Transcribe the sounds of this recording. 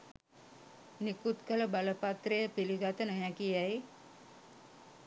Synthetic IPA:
nikut̪kələbaləpat̪rejəpiliɡat̪ənəɦækiaj

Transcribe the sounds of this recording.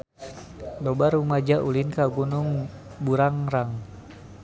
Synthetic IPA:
lɔbaɾumad͡ʒaʔulinkaɡunuŋbuɾaŋraŋ

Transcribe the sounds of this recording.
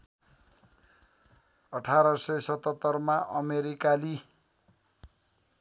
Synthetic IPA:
ʌʈʰaɾʌsʌjsʌt̪ʌt̪ːʌrmaʔʌmeɾikali

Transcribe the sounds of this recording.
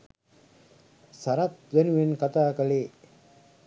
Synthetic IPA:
saɾɐt̪ʋænuʋenkat̪aːkəleː

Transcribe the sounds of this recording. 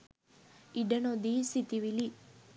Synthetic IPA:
iɖɐnod̪isit̪iʋili

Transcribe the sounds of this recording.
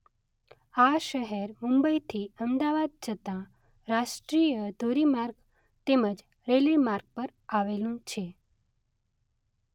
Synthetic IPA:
aʃəɦeɾmũmbəit̪ʰiəmd̪aʋad̪̚t͡ʃʰət̪ã | ɾaʃʈɾijəd̪ʱoɾimaɾɡ | t̪eməd͡ʒ | ɾelimaɾɡ̚pəɾaʋelũt͡ʃʰe

